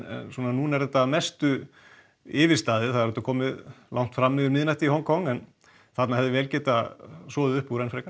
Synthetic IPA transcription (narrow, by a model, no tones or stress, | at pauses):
ɛ̰nsɔːnanunɛɾðɛt̪ːamɛst̪ʏ | ɪːvɪ̥st̪aːðɪθaðɾɛt̪akʰɔːmɪðlʔawŋ̥t̪fɾamːɛðʏɾmɪːnajht̪ɪihɔnkʰɔŋɛn | θat̪nahɛvðɪvɛːlcɛːt̪asɔːðɪʏhpuɾɛnfɾɛka